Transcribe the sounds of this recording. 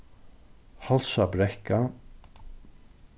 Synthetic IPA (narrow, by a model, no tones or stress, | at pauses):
halsabɾɛhka